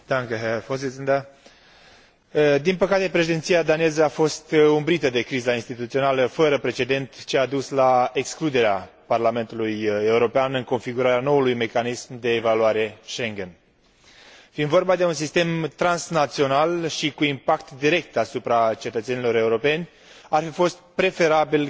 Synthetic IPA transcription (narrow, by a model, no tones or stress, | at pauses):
d̪aŋkeɦefosind̪a | d̪inpəkat̪e̞pɾe̞ʃid̪ent̪sijad̪anezəafo̞st̪umbɾit̪əd̪e̞kɾizainst̪it̪ut̪sio̞naləfəɾəpɾe̞t͡ʃe̞d̪e̞nt̪t͡ʃead̪uslae̞ksklud̪e̞ɾea | parlame̞nt̪uluje̞uɾo̞peanɨŋko̞nfiɡuɾaɾano̞ulujme̞kanismd̪e̞ːvaluaɾe̞ʃe̞ŋɡʲe̞n | find̪vo̞rbad̪e̞uns̬ist̪e̞mt̪ɾansnat̪sio̞nalʃikuimpakt̪d̪iɾe̞k̚t̪asupɾat͡ʃe̞t̪ət̪senilo̞ɾe̞uɾo̞pe̞nʲ | arfifo̞st̪̚pɾe̞fe̞ɾabil